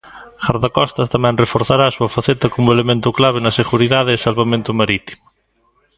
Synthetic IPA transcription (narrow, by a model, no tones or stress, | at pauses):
xaɾðakɔst̪ast̪amɛ̃ŋrefoɾθaɾaːsuɐfaθet̪ɐkomʊelemẽnt̪ʊklaβ̞enɐseɣuɾiðaðeːsalβamẽnt̪ʊmaɾit̪i̥mʊ